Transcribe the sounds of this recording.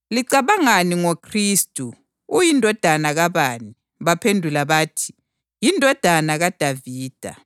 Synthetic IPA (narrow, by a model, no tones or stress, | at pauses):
liǀaβaŋaniŋokʰriːstʼu | ujindʱɔd̥ʱanaɣaβaːni | βapʰendʱulaβaːtʰi̥ | jindʱɔd̥ʱanaɣad̥ʱaviːd̥ʱa̰